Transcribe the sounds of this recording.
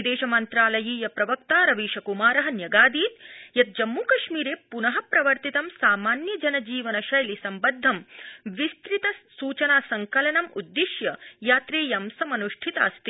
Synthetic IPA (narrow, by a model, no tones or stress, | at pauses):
d̪eːʃɐmɐnt̪ɾaːlɐjiːjɐpɾɐʋɐk̚t̪aːɾɐʋiːʃɐkumaːɾɐɦɐ̆njɐɡaːd̪iːt̪jɐt̪̚d͡ʒɐmːuːkɐʃmiːɾeːpunɐɦɐpɾɐʋɐɾt̪it̪ɐmsaːmaːnjɐd͡ʒɐnɐd͡ʒiːʋɐnɐʃɐjɐlisɐmbɐd̪ʱːɐmʋist̪ɾit̪ɐsuːt͡ʃɐnaːsɐŋkɐlɐnɐmud̪ːiʃjɐjaːt̪ɾeːjɐmsɐmɐnuʂʈʰit̪aːst̪i